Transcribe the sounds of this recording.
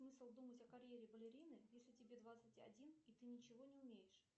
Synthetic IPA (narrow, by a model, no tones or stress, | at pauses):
smɨsəlˠd̪umətʲɐkɐɾʲjeɾʲɪbəlʲɪɾʲinɨjesʲlʲɪtʲɪbʲed̪vat̪sɨtʲɐ̰dʲinit̪ɨnʲɪt͡ɕɪvonʲɪʊmʲejɪʂ